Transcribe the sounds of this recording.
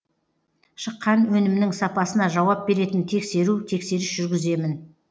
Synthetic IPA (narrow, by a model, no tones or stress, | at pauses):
ʃəqːɑnwɵnɪmnɪŋsɑpɑsənɑʒɑwɑp̚be̞ɾe̞t̪ɪnt̪ʰe̞kse̞ɾut̪ʰe̞kse̞ɾɪsʒ̥ʏɾɡʲɪze̞mɪn